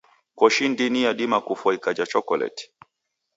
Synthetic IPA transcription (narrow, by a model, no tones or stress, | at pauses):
kɔʃindinijaɗimakufɔikad͡ʒat͡ʃɔkɔlɛ̰ti̥